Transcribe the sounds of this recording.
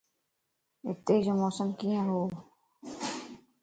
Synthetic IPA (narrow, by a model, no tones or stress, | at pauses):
ɪt̪ːeːd͡ʒomoːsəmkiːãɦoː